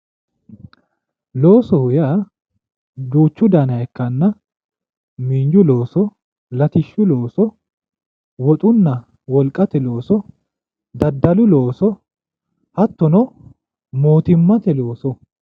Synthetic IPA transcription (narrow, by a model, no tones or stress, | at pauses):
lo̞ːsɔhʊjaː | d̪uːt͡ʃːʊd̪ɐnɐjɛkːɐnːɐ | miːnd͡ʒʊloːsɔ | lɐt̪ɪʃːʊloːsɔ | wɔt̪ʼʊnːɐ | wɔlkʼːɐt̪ɛloːsɔ | d̪ɐd̪ːɐlʊloːsɔ | hɐt̪ːɔnɔ | moːt̪ɪmːɐt̪ɛlo̞ːsɔ